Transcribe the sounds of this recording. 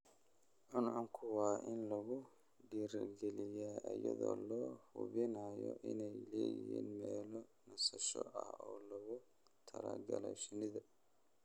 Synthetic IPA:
ʔʊnʕʊŋkʰʊwɑːʔɪnlɐɣʊ | ɖiːɾɡɛlɪjaːʔɐjɐðɔ̰ːlɔːhʊβɪnaːjɔʔɪnɛjlɛːjɪhḭːnmɛːlɔ | nɐsɐʃɔʔɐhɔːlɐɣʊ | t̪ʰɐlɐɡɐlɛʃɪnɪðɐ

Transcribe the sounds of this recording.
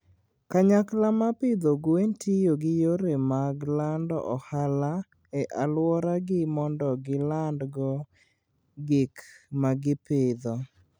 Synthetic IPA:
kaɲaklamapɪd̪oɡwentʰijoɡɪjoɾemaɡlandɔ̰ʔɔhala | ɛʔalwɔɾaɡɪmɔndɔɡɪlandɡɔ | ɡɪkmaɡɪpɪd̪ɔ

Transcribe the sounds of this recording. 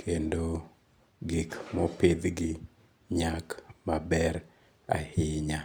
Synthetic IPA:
kʰendo | ɡɪkmɔped̪ɡɪ | ɲakmabɛɾ | a̰hɪɲa

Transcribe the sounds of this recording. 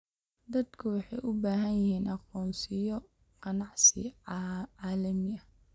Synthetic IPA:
d̪ɐd̪kʰʊwɑħɑjʔʊbaːɦɐnjɪhiːnʔɑqɔːnsɪjɔ | qɑnɑʕsɪ̰ | ɑːlɐmɪɐ

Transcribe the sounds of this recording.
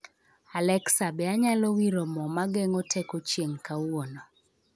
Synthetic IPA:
alɛksabɛaɲalɔwiɾomɔmaɡeŋɔtʰekot͡ʃjeŋkawonɔ

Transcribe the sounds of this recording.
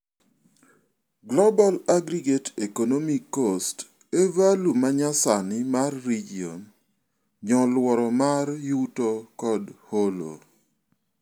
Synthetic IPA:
ɡlɔbalaɡɾiɡetekonomikːost | evalumaɲasanɪmarːid͡ʒio̰n | ɲɔlwɔɾɔmarjutokɔdholo̰

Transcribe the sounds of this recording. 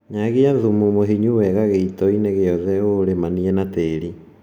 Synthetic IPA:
ɲaɣeaðumumoɦiɲuwɛɣaɣeitɔineɣeɔðɛoɾemaniɛnateːɾi

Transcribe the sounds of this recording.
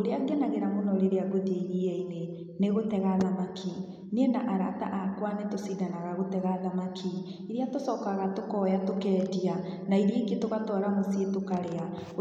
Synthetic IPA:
oɾeaɡɛnaɣeɾamonɔɾeɾeaɡodeiɣieine | neɣotɛɣaðamakʰi | niɛnaʔaɾata̰ʔakwanetosidanaɣaɣotɛɣaðamakʰi | iɾeatosɔːkaɣatokɔjatokɛːdia | naiɾeɡetoɣatwɔɾamosietokaɾea

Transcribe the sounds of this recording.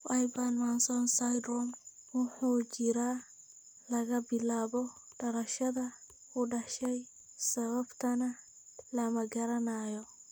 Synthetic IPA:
wajbanmansɔnsajd̪ɾɔmwʊħuːt͡ʃɪɾaː | lɐɣɐbɪlaːβɔɖɐɾɐʃɐðɐ | kʰʊɖɐʃɛj | sɐβɐbt̪ʰɐnɐ | lɐmɐɡɐɾɐnaːjɔ

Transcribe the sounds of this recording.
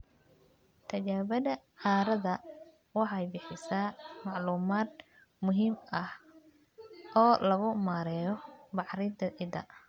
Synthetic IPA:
t̪ʰɐt͡ʃaːβɐðɐ | ʕaːɾɐðɐ | wɑħɑjbɪħɪsaːmɑʕluːmaːd̪̚ | mʊɦiːmɐh | ʔɔːlɐɣʊmaːɾɛːjɔbɑħɾɪd̪ɐʔɪd̪ɐ̰

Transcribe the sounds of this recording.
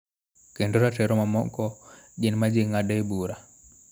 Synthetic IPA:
kendoɾatɛɾɔmamɔ̰kɔɡɪnmad͡ʒiŋadaebuɾa

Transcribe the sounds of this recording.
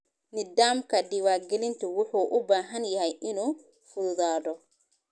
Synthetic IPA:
nɪdaːmkʰɐdɪwaːɡɛlɪnt̪ʰʊwʊħuːʔʊbaːɦɐnjɐhɛjʔɪnuː | fʊðʊðaːðɔ

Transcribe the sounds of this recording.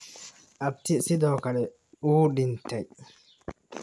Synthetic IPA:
ʔɐb̚t̪ɪsɪd̪ɔːkɐɗɛ | uːdɪnt̪ɐj

